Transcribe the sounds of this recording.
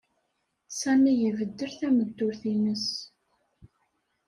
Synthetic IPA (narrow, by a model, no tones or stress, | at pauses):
sæmijəvəd̪ːəɾθæməd̪ːʊɾθinəs